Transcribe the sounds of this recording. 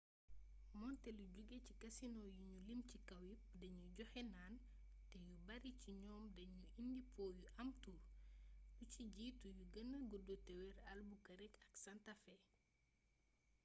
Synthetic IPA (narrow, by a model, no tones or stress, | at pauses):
mɔntɛluɟuɡecikɐsinɔjuɲulimcikɐwip̚dɐɲuɟɔxɛnaːn | tɛjubɐɾiciɲɔːmdɐɲuindipɔːjuʔɐmtu | duciɟiːtujuɡɐnɐɡudɔtɛwɛɾɐlbukɐɾɛkɐksantafɛ